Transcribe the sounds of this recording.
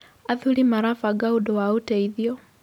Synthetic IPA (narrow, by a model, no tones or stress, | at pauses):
aðulimaɾafaɡaudɔwauteiðjɔ